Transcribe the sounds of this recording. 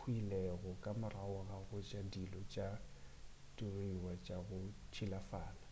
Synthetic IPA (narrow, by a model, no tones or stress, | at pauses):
uilɛɣɔkʼamʊraʊɣaɣʊt͡ʃʼadilɔt͡ʃʼa | dʼiroiwat͡ʃʼaɣʊt͡ʃʰilafaːna